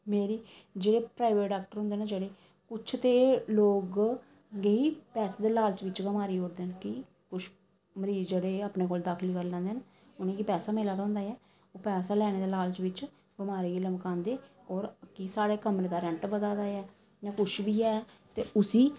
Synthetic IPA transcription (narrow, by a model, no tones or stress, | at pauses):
meːɾiː | d͡ʒeːɽeːpɾaːɪʋeːʈɖaːk̚ʈəɾɦʊ̃nd̪eːnaːd͡ʒeːɽeː | kʊt͡ʃʰt̪eːloːɡ | ɡeiːpɛːsaːd̪eːlaːlt͡ʃʋɪt͡ʃɡəmaːɾiːoːɾd̪eːnkɪ | kʊt͡ʃʰ | məɾiːzd͡ʒeːɽeːaːpneːkoːld̪aːkʰlkəɾlɛ̃ãːnd̪eːn | ʊnẽːkipɛːsaːmeːlaːd̪aːɦʊ̃nd̪aːɛː | oːpɛːsaːlɛːɽ̃eːd̪aːlaːlt͡ʃʋɪt͡ʃ | bɪmaːɾeːɡiːləmbkãːnd̪eː | ɔːɾkɪsaːɽeːkəmɾeːd̪aːɾɛ̃ɳʈbəd̪aːd̪aːɛː | jãːkʊt͡ʃʰʋiːɛːt̪eːʊsiː